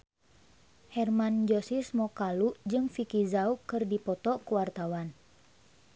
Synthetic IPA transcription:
hɛrmand͡ʒɔsismɔkalud͡ʒɨŋfikizaukɨrdipɔt̪ɔkuwart̪awan

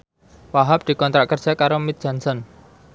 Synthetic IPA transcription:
waɦap̚d̪̥i̤kɔnt̪ɾaʔkərd̥ʒ̥a̤kaɾomit̪̚dʒ̥a̤nsɔn

